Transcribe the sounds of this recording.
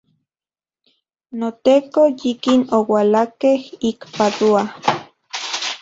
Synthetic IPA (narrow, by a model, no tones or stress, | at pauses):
not̪eːkojikinowalakehikpadua